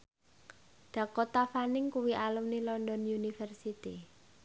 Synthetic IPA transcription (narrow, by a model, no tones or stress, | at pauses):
ɖ̪̥ä̤kot̪afanɪŋkuwiʔalumnilɔnd̪ɔnunifɛrsit̪i